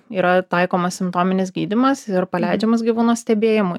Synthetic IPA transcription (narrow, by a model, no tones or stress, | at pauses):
iːɾɐt̪ɐɪkoːmɐssʲɪmpt̪oːmʲɪnʲɪsɡʲiːd̪ʲɪmɐsɪɾpɐlʲæɪd͡ʒʲɛmɐs̬ɡʲiʋuːnoːsʲt̪ʲɛbʲeːjɪmʊ